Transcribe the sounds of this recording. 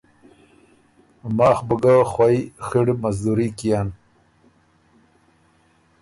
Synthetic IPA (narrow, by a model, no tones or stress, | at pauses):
maːxbəɡaxwajxiɽmazd̪uɾikijan